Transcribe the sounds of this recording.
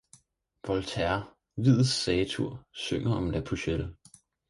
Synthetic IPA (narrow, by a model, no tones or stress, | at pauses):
ʋɒ̽lt͡sʰæɐ | ʋið̰ˠsɛːt͡sʰuɐ̰søŋ̰ɐɒ̽md̥æpʰuɕel̥ə